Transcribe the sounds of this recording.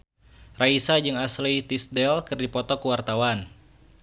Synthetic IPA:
raisad͡ʒɨŋaslit̪isdɛlkɨrdipɔt̪ɔkuwart̪awan

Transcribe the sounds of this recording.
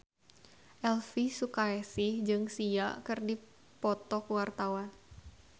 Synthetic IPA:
ʔɛlfisukaɛsɪhd͡ʒɨŋsiaʔkɨrdi | pɔt̪ɔkuwart̪awan

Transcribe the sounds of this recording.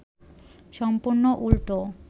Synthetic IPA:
ʃɔmpuɾnoʔulʈo

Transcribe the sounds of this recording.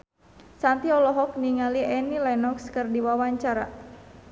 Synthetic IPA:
sant̪iɔlɔɦɔk̚niŋaliɛnilanɔkskərdiwawaɲt͡ʃaɾa̰

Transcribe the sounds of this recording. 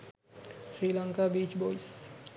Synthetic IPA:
sɾilaŋkabit͡ʃbojs

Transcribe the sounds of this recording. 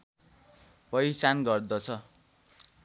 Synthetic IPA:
pʌjsanɡʌrd̪ʌt͡sʰʌ

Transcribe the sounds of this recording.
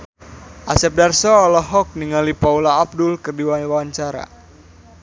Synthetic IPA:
ʔasɛp̚darsɔːlɔɦɔk̚niŋalipaulaːb̚dʊlkɨrdiwanwaaɲt͡ʃaɾa̰

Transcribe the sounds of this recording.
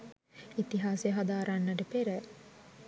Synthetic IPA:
it̪iɦaːseɦad̪aːɾanːɐʈəpeɾɛ

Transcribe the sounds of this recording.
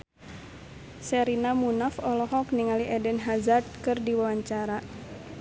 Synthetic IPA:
sɛɾinamunafɔlɔhɔkniŋaliʔɛdɛnɦazard̚kɨrdiwawaɲt͡ʃaɾa

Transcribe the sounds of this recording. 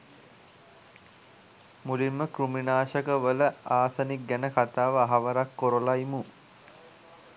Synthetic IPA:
mulimːəkruminaːʃəkəʋələaːsanik̚ɡænəkat̪aːʋəaɦaʋəɾakːoɾolaimu

